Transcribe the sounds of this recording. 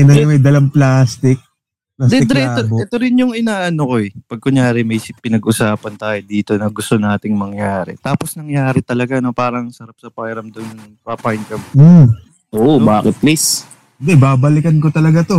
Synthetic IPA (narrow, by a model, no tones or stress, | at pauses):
nɐnɐmɐjd̪ɐlɐmplaːst̪ɪk̚ | plaːsd̪ɛɪd̪ɾɛat̪ːoboɛt̪oɾɪnjʊŋʔɪnaːʔɐnoko̞ɛpɐɡ̚kʊŋjaːɾɪmɐjspɪnɐɡʔʊsaːpɐnt̪aːjod̪iːt̪o̞nɐɡʊst̪o̞naːt̪ɪŋmɐŋjaːɾɛ̰t̪aːpo̞snɐŋjaːɾɛt̪ɐlɐɡano̞paːɾɐŋsɐɾap̚sɐpajɾɐmd̪onŋpapaɪnkɐmm̩ | ʔoʔobaːkɛt̪̚plis | nd̪ɛbaːbɐlɪkɐnko̞t̪ɐlɐɡat̪o̞